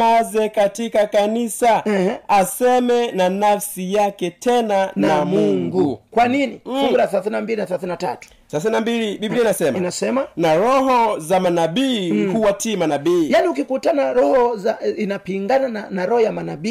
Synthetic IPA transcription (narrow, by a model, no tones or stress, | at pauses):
azɛkatikakanisaɛasɛmɛnanafsijakɛtʰɛnanamuŋɡukwaniniuuɾaaθɛlaθininambilinaθɛlaθininata̰tu̥ | θɛlaθinambiliɓibiliinasɛmainasɛmanaɾɔɦɔzamanaɓikhuwatimanaɓiːjaniukikutanaɾɔhɔzainapiŋɡanananaɾɔhɔjamanaɓi